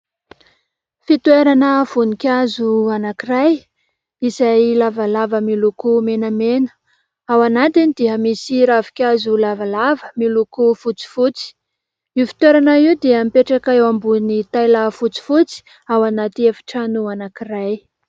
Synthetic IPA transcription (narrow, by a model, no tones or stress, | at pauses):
fit̪weɾanəv̥unikʲazuanakiraj | izajlavalavəmilukumenəmenə̥ | awanat̪inid̪iəmisiɾavi̥kʲazulavalavəmilukufut͡si̥fut͡si̥ | iufi̥t̪weɾanaiud̪eəmipeʈ͡ʂakaewambunit̪ajlafut͡si̥fut͡si̥ | awanat̪iefi̥ʈ͡ʂanuanakiraj